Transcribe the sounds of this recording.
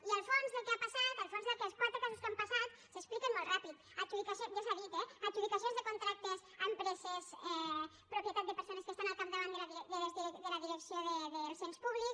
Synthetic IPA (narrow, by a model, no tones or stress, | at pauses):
iəlˠfonzðəlˠkeapasat̪əlˠfonzðəlˠkɛspɔɾt̪əkɔzəskampasat̪ | səksplikənmːolˠrapit̪ | əʒuβikasod͡ʒasaðit̪eəkd͡ʒuβikəs̬ionzðəkunt̪ɾak̚t̪əzəmpɾɛzəzɛ | pɾupjət̪at̪̚d̪əpəɾsonəskəst̪analˠkap̚d̪əβand̪əlðid̪əlzid̪ələðiɾəksioðəðəlˠsenspuβliks